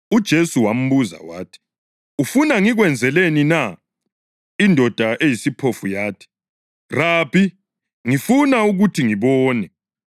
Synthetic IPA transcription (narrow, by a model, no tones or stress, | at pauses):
ud̥ʒ̥ʱesuwam̩βuza̰wa̰ːtʰi̥ | ufunaŋiɣwɛnd͡zʱɛlenina | indʱɔd̥ʱaʔejisipʰofujaːtʰi̥ | raːpʰi | ŋifunauɣutʰiŋiβɔːnɛ